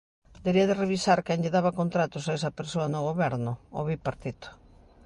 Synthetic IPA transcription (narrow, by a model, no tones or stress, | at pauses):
d̪eɾiɐðɪreβisaɾkɛnʎeðaβɐkont̪ɾat̪ʊsaes̬ɐpeɾsoɐnoɣoβɛɾnʊo̰βipaɾt̪it̪o̥